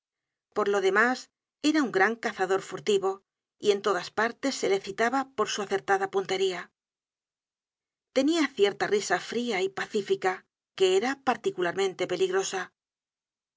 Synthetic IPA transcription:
po̞ɾlo̞ðe̞mas | e̞ɾauŋɡɾaŋkaθaðo̞ɾfuɾt̪iβo̞ | ie̞nt̪o̞ðaspaɾt̪e̞sːe̞le̞θit̪aβapo̞ɾsuaθe̞ɾt̪aðapunt̪e̞ɾia | t̪e̞niaθje̞ɾt̪arisafɾiaipaθifika | ke̞eɾapaɾt̪ikulaɾmẽ̞nt̪e̞pe̞liɣɾo̞sa

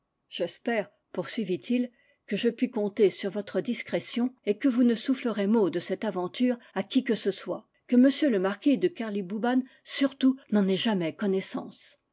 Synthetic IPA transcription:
ʒ̥ɛspɛːʁ | puʁsɥivit̪ʰil | kəʒəpɥikɔ̃t̪esyʁvɔt̪χəd̪iskχɛsjɔ̃ekəvunəsufləʁemod̪əsɛt̪avɑ̃t̪yːʁakʲikəsəswa | kəməsjøləmaʁkʲid̪əkaʁlibuban | syʁt̪unɑ̃nɛʒamɛkɔnɛsɑ̰̃s

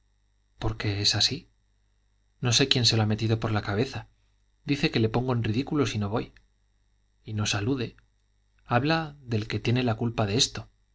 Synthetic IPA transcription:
po̞ɾke̞esasi | no̞se̞kje̞nseloame̞t̪iðo̞po̞ɾlakaβ̞e̞θa | d̪iθe̞ke̞le̞po̞ŋɡo̞enriðikulo̞sino̞β̞o̞j | ino̞saluðe̞ | aβlaðe̞lke̞t̪je̞ne̞lakulpaðe̞e̞st̪o̞

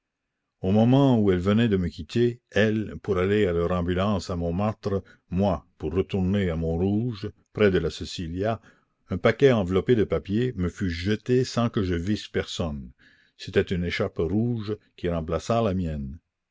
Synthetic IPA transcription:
omɔmɑ̃uɛlvənɛd̪əməkʲit̪ʰeɛlpuɾalealœʁɑ̃bylɑ̃ːsamɔ̃mat̪ɾə | mwapurːət̪uʁneamɔ̃ɾuʒpɾɛd̪əlasesilja | ɛ̃pakɛɑ̃vlɔped̪əpapjeməfyʒət̪esɑ̃kəʒəvispɛʁsɔn | set̪ɛt̪yneʃapruʒkʲiɾɑ̃p̬lasalamjɛn

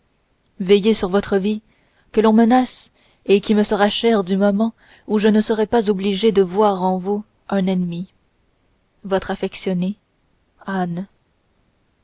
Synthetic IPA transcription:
vɛjesyʁvɔt̪χəvi | kəlɔ̃mənas | ekʲiməsəʁaʃɛʁd̪ymɔmɑ̃ | uʒənəsəʁɛpazobliʒed̪əvwaʁɑ̃vu | ʔɛ̃nɛnmi | vɔt̪χafɛksjɔne | an

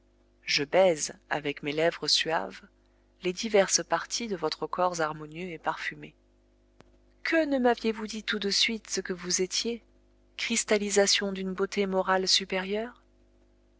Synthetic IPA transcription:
ʒəbɛza̰vɛkmelɛvʁəsɥa̰v | led̪ivɛʁspaʁt̪ʰid̪əvɔt̪χəkʰɔʁzaʁmɔnjøepaʁfyme | kʰənəmavjevud̪it̪ud̪əsɥit̪səkəvuzet̪je | kχist̪alizasjɔ̃d̪ynbot̪emɔʁalsypeʁjœːʁ

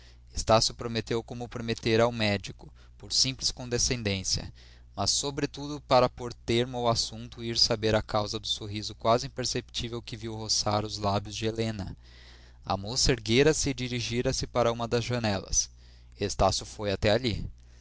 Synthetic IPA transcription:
est̪asjʊpɾomet̪ewkõmʊpɾomet̪eɾawmɛd͡ʒikʊ | poɾsĩmplɪskõd̪esẽnd̪ẽsiɐ̰ | mɐsːobɾɪt̪ud̪ʊpaɾɐpoɾt̪eɾmʊwasũnt̪ʊiɾsabeɾɐkawzɐd̪ʊsoɦizʊkwazɪĩpeɾsept͡ʃivewkɪviwɦosaɾʊzlabjʊzd͡ʒɪelẽnɐ̰ | ɐ̰mosɐeɾɡejɾɐsɪd͡ʒiɾiʒiɾɐsɪpaɾɐũmɐd̪ɐzʒɐnɛlɐ̰s | est̪asjʊfojat̪ɛali

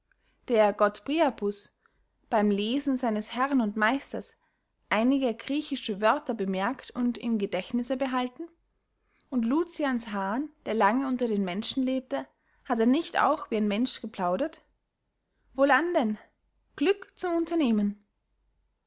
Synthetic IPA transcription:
d̥eːɐɡ̥ɔtpʁiapʰʊs | b̥aɪmleːzn̩zaɪnəshɛʁnʊntmaɪstɐs | bʔaɪnɪɡəɡʁiːçɪʃəvœɐtɐbəmɛɐktʊntɪ̰mɡədɛçtnɪsəbəɦaltn̩ | ʔʊntluːt͡sjansɦaːnd̥eːɐlaŋəʊntɐdeːnmɛnʃn̩leːp̚tə | hateːɐnɪçta̰ʊxv̥iːaɪnmɛnʃɡ̥əpl̥aʊɾɐt | voːlandɛn | ɡ̥lʏkt͡sʊmʊntɐneːmən

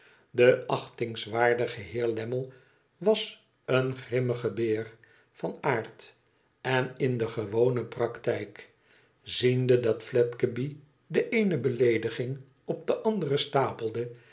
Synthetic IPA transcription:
dəʔɑχtɪŋsʋaːɹdəχəɦɪːɹlɛməlˠ | ʋɑs | ənχrɪməχəbɪːr | fɑnaːɹt | ɛnɪndəχəʋownəprɑktɛjk | z̥indədɑtflɛtkəbi | dəʔejnəbəlejdəχɪŋ | ɔp̚d̪əʔɑndərəstaːpəl̩ˠdə

